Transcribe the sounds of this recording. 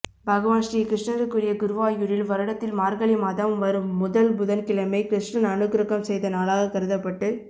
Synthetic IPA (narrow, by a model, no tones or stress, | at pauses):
bʱɐɣɐʋaːnʂɾikɾɪʂɳɐɾɯkːɯɾɪjɐɡʊɾɯʋaːjuɾɪlʋɐɾɐɽɐt̪ːɪlmaːɾɣɐɭɪmɐðɐʋmʋɐɾɯmːʊðɐlbʊðɐnkɪɭɐmɐɪkɾɪʂɳɐnɐnɯɣɾɯɣɐmsɛjðɐnaːlaːɣɐkɐɾɯðɐpːɐʈːɯ